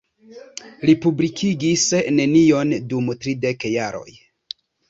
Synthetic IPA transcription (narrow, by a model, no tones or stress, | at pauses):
lipublikʰiɡisne̞nio̞ndumtɾidekjaɾo̞̰j